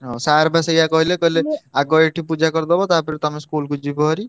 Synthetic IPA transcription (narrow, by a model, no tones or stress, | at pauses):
ɦɔsaɾbasejakɔɦilekɔɦileaɡɔeʈʰipud͡ʒakɔɾd̪ɔbɔt̪apiɾet̪ɔameskulkud͡ʒibɔɦɔɾi